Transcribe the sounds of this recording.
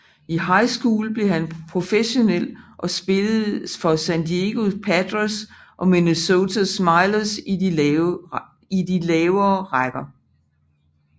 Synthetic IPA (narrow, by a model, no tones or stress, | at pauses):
iɦɑ̈ɪ̰sɡ̥uːlb̥le̝ɦænpʰʁo̝feɕo̝nel̰ʔɒ̽sb̥e̝lð̩ˠfɒ̽sænd̥ieɡ̥o̝pʰædʁosʔɒ̽minəso̝t͡sʰæsmɑ̈ɪlɐs | idilɛːʊɐːʁaɡ̥ɐ